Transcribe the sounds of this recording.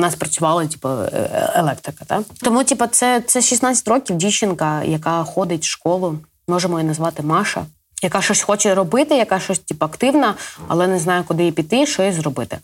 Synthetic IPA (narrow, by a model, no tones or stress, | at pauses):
nɑspɾɐt͡sʲʊʋɑlˠɐtʲi̥pɐ̰elˠɛkt̪ɾɪkɐ̥t̪ɑt̪ɔmutʲipɐt̪sɛt̪sɛʃisnat͡sʲːɐ̥tʲrɔkʲiwdʲit͡ʃɪnkɐjɐkɑxɔd̪ɪtʲʃkɔlˠʊ | mɔʒemɔjinɐzʋɑt̪ɪmɑʃɐ̰ | jɐkaʃɔsʲxɔt͡ʃɛɾɔbɪt̪ɪjɐkɑʃɔsʲtʲipɐɐkt̪ɪwnɐɐ̰lˠɛnɛznɑjʊkʊd̪ɪjɛpʲit̪ːɪʃɔjizrɔbɪt̪ɪ̰